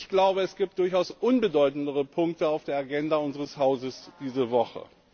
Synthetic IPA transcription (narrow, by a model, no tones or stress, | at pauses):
çɡ̥laʊbəɛsɡ̥iːp̚t̚d̥ʊɐçaʊsʔʊnbədɔʏtn̩dəʁəpʰʊŋk̚təaʊfd̥eːɐaɡɛndaʊnzəʁəshaʊzəsd̥iːzəvɔχə̰